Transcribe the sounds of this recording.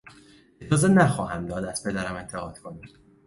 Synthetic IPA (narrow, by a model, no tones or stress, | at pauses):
ed͡ʒɒːzenæxɒːɦæmd̪ɒːd̪æz̥pʰe̞d̪æɾæme̞nt̪ʰe̞ɣɒːd̪̥kʰo̞nim